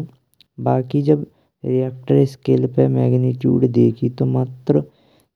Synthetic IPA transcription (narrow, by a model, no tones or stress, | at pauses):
baːkid͡ʒɐb | ɾijɛːk̚ʈəɾɪskeːlpemɛːɡniʈjṵːɖd̪eːkʰit̪omat̪ɾə